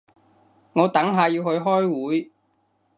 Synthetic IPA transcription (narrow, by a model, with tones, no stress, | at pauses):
ŋɔː˨˧t̪ɐ˨˥ŋɦaː˨˧jiː˧whɵ˧ɥɦɔː˥jwuː˨˥j